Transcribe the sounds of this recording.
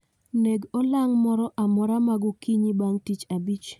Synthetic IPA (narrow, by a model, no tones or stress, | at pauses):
neɡolaŋmɔɾɔʔamɔɾamaɡɔkiɲibaŋtit͡ʃabit͡ʃ